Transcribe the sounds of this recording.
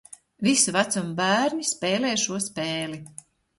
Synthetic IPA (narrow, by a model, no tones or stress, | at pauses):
visuvat̪sumbæːɾɲispɛːlɛːʃuɔspeːli